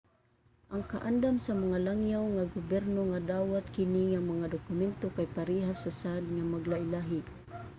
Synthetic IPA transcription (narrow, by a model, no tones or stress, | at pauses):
ʔaŋkaʔand̪amsamaŋalaŋjawŋaɡʊbɛɾnoŋad̪aːwat̪kɪniŋamaŋad̪ʊkʊmɛnt̪okajpaɾiɦasasaʔd̪̚ŋamaɡlaʔɪlaɦɪ